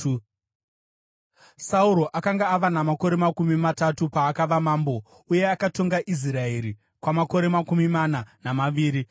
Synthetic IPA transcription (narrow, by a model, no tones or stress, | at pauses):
sauɾo̞ʔakaŋɡaːʋanamako̞ɾe̞makumimatatupaːkaʋamaːmbo̞ | uje̞akato̞ŋɡaʔis̬rae̞ɾi | kwamako̞ɾe̞makumimananamaʋiːɾi